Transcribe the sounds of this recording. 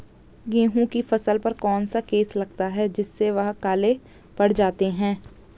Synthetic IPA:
ɡẽːɦũkifɐsəlpɐɾkɔːnsakeːslɐɡ̚t̪aɦɛd͡ʒɪsːeʋɐɦkaːle | bɐɽ̤d͡ʒaːt̪eɦɛ̃ː

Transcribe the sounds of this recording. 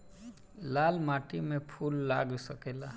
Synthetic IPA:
laːlmaːʈimẽpʰuːlːa̰ːɡsəkeːlaː

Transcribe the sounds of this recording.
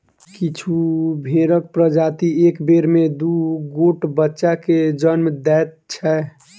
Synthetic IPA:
kit͡ʃʰubʱeɾək̚pɾəd͡ʒat̪iekbeɾmed̪uɡoʈbətːʃaked͡ʒənmd̪ɛt̪̚t͡ʃʰɛ

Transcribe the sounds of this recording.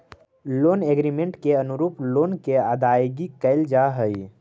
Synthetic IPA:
loːneɡɾimẽɳʈkeənʊɾuːploːnkead̪aːjɡikəɪld͡ʒaɦəi

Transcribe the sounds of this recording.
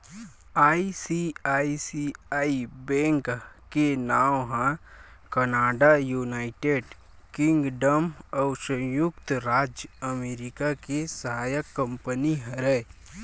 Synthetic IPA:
aːisiaːisiaːibɛ̃ːŋk | kenaːwɦãkənaːɖajuːnaːɪʈeːɖ | kɪ̃ŋɡɖəmɔʊsə̃jʊkt̪ɾaːd͡ʒjəmeːɾɪkakesəɦaːjəkːə̃mpəniɦəɾɛ

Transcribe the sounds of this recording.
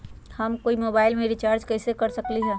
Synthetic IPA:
həmkoːimoːbaːɪlmẽɾɪt͡ʃaːɾd͡ʒkɛːsekɐɾsəkliɦɛː

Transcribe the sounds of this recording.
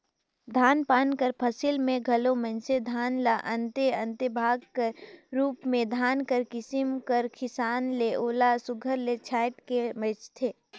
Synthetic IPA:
d̪ʱaːnpaːnkəɾpʰəsilmẽɡʱɐlomə̃nsed̪ʱaːnlaʔə̃nt̪eə̃nt̪ebʱaːɡkəɾɾuːpmẽd̪ʱaːnkəɾkɪsɪmkəɾkʰɪsaːnleʔoːlasʊɡʱəɾlet͡ʃʰaːɪʈkemet͡ʃt̪ʰeː

